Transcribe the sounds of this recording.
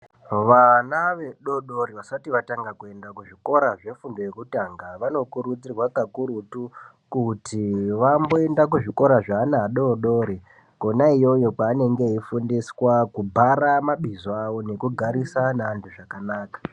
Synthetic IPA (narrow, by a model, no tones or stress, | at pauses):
ʋanaʋe̞ɗo̞ɗoɾiʋasatiʋataŋɡakue̞ndakuʐiko̞ɾaʐe̞fundo̞je̞kutaːŋɡaʋano̞kuɾud͡zirwakakuɾutu | kutʰiʋambo̞e̞ndak̬uʐiko̞ɾaʐaːnaːɗo̞ɗoːɾi | konaijojo̞paːne̞ŋɡe̞ifundiswakubʱaramaɓizoawo̞ne̞kuɡʱaɾisanaːntʰuʐakanaːkḁ